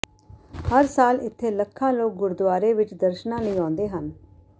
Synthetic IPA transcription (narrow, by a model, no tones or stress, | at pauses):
həɾsaːlɪt̪ʰːeːləkʰːãːloːk̚ɡʊɾd̪waːɾeːʋɪt͡ʃd̪əɾʃnãːləĩːãːnd̪eːɦən